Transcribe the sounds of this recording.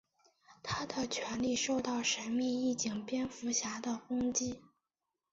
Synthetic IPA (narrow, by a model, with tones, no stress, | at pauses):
t̪ʰa˥d̪ə˨t͡ɕʰɥɛ˧˥nli˥˧ʂo˥˧ʊt̪ɑ˥˩ʊʂə˧˥nmi˥˧i˥˩t͡ɕi˨˩ŋpjɛ˥nfu˧˥ɕja˧˥d̪ə˧kʊ˥ŋt͡ɕi˥